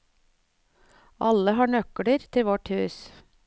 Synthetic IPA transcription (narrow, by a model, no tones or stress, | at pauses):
ʔɑləhɑːɳœkəɽəɾt̪ʰɪʋɔʈhʉːs